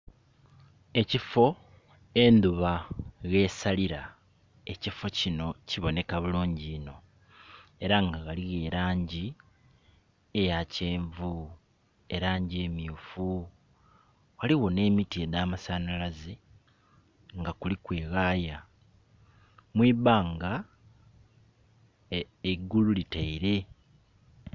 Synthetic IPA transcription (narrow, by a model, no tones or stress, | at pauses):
e̞cifo̞ | e̞nd̪uβaɣe̞ːsaliɾa | e̞cifo̞cino̞ciβo̞ne̞kaβuluːɲɟiːno̞ | e̞ɾaŋɡaɣaliɣe̞ːɾaːɲɟi | ejaceːɱvu | e̞ɾaːɲɟie̞ːmjuːfu | waliɣo̞ne̞ːmitie̞daːmasanalaze | ŋɡakulikwe̞ːɣaːja | mwiːβaːŋɡa | eɡːululitaiɾe̞